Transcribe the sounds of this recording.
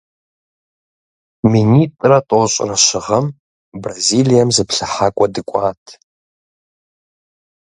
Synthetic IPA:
minitʼratʼoɕʷʼraʃʷɪʁəm | brazilijamzɨpʰɬaħakʷʼadɨkʷʼatʼʰ

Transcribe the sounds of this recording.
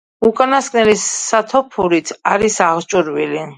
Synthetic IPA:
ukʼanaskʼnɛlisːat̪ʰɔpʰuɾit̪ʰaɾisaʁt͡ʃʼuɾvili

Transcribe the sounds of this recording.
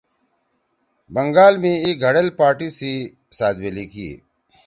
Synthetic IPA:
bəŋɡaːlmẽiːɡʱəɽɐlpaːɾʈiːsiː | saːd̪beliːkḭ

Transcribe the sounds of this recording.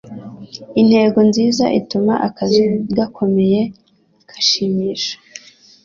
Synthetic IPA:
in̥he̞ːɡonziːza̰ʔitumaʔakaziɡakʰo̞me̞je̞ | kʰḁʃiːmiːʃḁ

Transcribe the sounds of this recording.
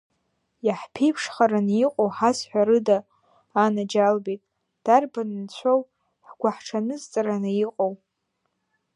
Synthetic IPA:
jaħpʰejpʰʂχaɾaniqʼowħasħʷᶣaɾɨdaː | nad͡ʒalbitʼ | d̥arbanɨnt͡ɕʷʰow | ħɡʷaħʈ͡ʂʰanɨzt͡sʼaɾanɨiqʼow

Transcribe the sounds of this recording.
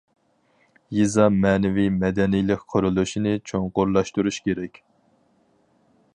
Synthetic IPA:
jizɑmɛːnɛvimɛd̪ɛnijlɪkʲqʰoɾulˠuʃinɨt͡ʃʰoŋqʊɾlˠɑʃt̪uɾuʃkʲeɾɛkʲ

